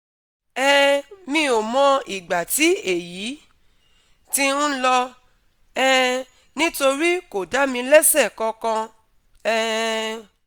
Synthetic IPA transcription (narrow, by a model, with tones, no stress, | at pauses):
ɛ˦mĩ˧o˨mɔ̃˧i˨ɡ͡ba˨ti˨˦e˨ji˨˦ | ti˦ñ̩˦lɔ˧ | ɛ˦ | nĩ˦to˧ɾi˦ko˨da˨˦mĩ˧lɛ˦sɛ˦˨kɔ̃˧kã˧ | ɛ˦